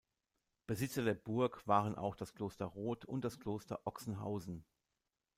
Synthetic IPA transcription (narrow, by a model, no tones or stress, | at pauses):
b̥əzɪt͡sɐdeːɐbʊɐkv̥aːʁ̞ənʔa̰ʊxd̥askl̥oːstɐʁoːtʰʊnt̚d̥askl̥oːstɐ̰ʔɔksn̩ɦa̰ʊzn̩